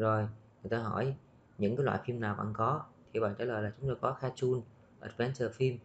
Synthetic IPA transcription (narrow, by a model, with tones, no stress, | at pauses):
zo˨˩jŋɨ˨˩jt̪aː˧ɦɔ˧˩j | ɲɨ̰˧˥ŋkaː˨˦jlwa̰ː˧˨fi˧mnaː˨˩wva̰˧nkɔ˨˦t̪ʰi˨˩ɓa̰ː˧˨ŋt͡ɕaː˧˩ləː˨˩laː˨˩t͡ɕʊ˨˦ŋ͡mt̪o˧jkɔ˨˦xaː˧t͡ɕu˧n | ʔə̰˨˩t̚vɛ˨˦nt͡ɕəː˧˨˩fi˧m